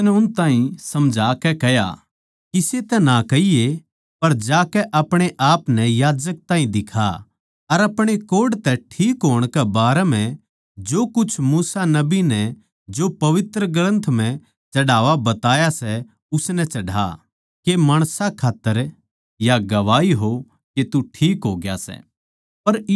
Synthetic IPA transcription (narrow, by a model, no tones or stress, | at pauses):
nɛʊnt̪aːɦĩsɐmd͡ʒʱaːkɛkɛja̰ | kiset̪ɛnakɐije | pɐɾd͡ʒaːkɛʔɐpɽ̃eʔaːpnɛjaːd͡ʒək̚t̪aːɦĩd̪ɪkʰa̰ | ɐɾɐpɽ̃ekoːɖt̪ɛʈʰiːkɦoːɽ̃kɛbaːɾɛm̤ɛ̃ | d͡ʒoːkʊt͡ʃʰmuːsanɐbinɛ | d͡ʒopɐʋɪt̪ɾəɡələ̃nt̪ʰm̤ɛ̃ | t͡ʃɐɽaːʋabɐt̪aːjasɛ | ʊsnɛt͡ʃɐɽa̰ | kemɐːɽ̃sakʰaːt̪ːəɾ | jaɡɐʋaːiɦo | ket̪uʈʰiːkɦoːɡja̰sɛ̰ | pɐɾ